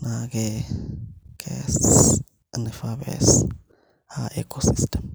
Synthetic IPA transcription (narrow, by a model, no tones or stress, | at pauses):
nakɛ | kʰɛs | nɛfabɛ̰s | aʔɛ̰kʰosistʰɛm